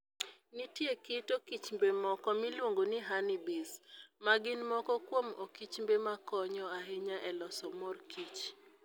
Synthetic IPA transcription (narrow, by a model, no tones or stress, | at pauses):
nitiekɪtokit͡ʃmbemɔkɔmilwoŋɡonɪɦanibismaɡɪnmɔkɔkwomɔkit͡ʃmbemakɔɲɔaɦɪɲaʔɛlɔsɔmɔrkʰit͡ʃ